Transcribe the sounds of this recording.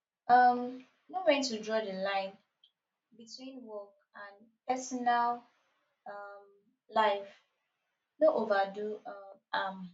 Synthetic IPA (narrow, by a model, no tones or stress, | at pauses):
ʌm | nowɛ̃ntudɹɔdəlãɪ̃n | bitʰwĩnwɔk | ãn | pɛsɔnal | ʌm | laɪf | noʔovaduʌm